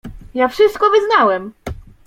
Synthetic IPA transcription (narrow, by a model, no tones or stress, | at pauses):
jafʂɘst̪̚kɔvɘznawɛm